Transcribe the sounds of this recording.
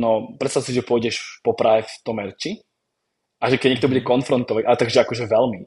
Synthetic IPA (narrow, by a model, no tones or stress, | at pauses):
nɔpɾɛt̪st̪aʊsiʒɛpʊɔjɟɛʃpɔpɾaɦɛft̪ɔmɛɾt͡ʃi | ʔaʒɛkɛɟɲɛk̚t̪ɔbuɟɛkɔnfɾɔnt̪ɔʋaɟʔat̪aɡʒɛakɔʒɛʋɛlmi